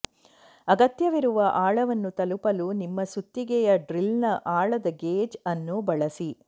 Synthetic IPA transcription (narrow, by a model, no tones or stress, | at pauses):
ɐɡɐt̪jɐʋiɾuʋɐʔaːɭɐʋɐnːut̪ɐlupɐlunimːɐsut̪ːiɡɛjɐɖɾilnɐʔaːɭɐd̪ɐɡeːd͡ʒɐnːubɐɭɐsi